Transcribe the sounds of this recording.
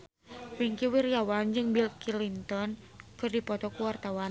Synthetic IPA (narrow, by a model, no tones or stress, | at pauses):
wiŋkiwirjawand͡ʒɨŋbilkilint̪ɔn | kɨrdipɔt̪ɔkuwart̪awan